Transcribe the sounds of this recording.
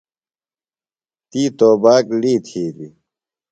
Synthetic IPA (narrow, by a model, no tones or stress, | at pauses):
t̪iːt̪oːbaːkɽiːt̪ʰiːd̪i